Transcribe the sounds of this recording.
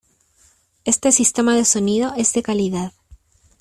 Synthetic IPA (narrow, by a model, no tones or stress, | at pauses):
e̞st̪e̞sist̪emað̞eso̞nið̞oe̞zðe̞kaliðað